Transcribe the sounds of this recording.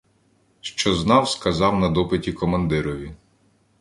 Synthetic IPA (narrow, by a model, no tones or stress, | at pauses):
ʃt͡ʃɔznɑwskɐzɑwnɐd̪ɔpɪtʲikɔmɐnd̪ɪɾɔʋʲi